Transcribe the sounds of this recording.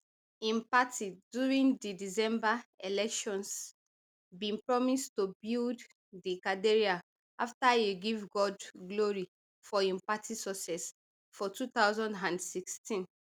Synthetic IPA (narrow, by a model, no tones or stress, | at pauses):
ĩmpatʰidjuɹĩndidisɛ̃mbaelɛkʃɔ̃ns | bĩnpɹɔmistubild | dikadeɹia | aftajuɡivɡɔdɡloɹi | fɔĩmpatʰisɔsɛs | fɔtutaʊzɔ̃ndãndsikstĩn